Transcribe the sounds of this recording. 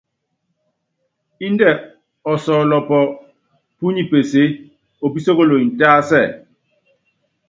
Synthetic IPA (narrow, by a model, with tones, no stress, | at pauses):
i˦ndɛ˦˨ | ɔ˨sɔː˨lɔ˨pɔ˨ | pu˦ɲi˦pe˨se˨˦ | o˨pi˦so˦ɣo˦˨lo˨i˨n̩˨taː˦sɛ˦˨